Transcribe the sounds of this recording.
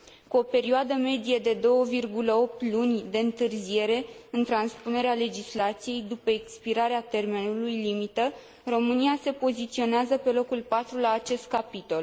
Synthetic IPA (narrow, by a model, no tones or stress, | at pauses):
kuo̞pe̞ɾioad̪əme̞d̪ijed̪e̞d̪o̞wəvirɡuləo̞p̚t̪lunʲd̪e̞ɨnt̪ɨrzije̞ɾe̞ɨnt̪ɾanspune̞ɾeale̞d͡ʒislat̪sije̞jd̪upəekspiɾaɾeat̪e̞rme̞nulujlimit̪ə | ro̞mɨniase̞po̞zit̪sio̞neazəpe̞lo̞kulpat̪ɾulaːt͡ʃe̞st̪̚kapit̪o̞l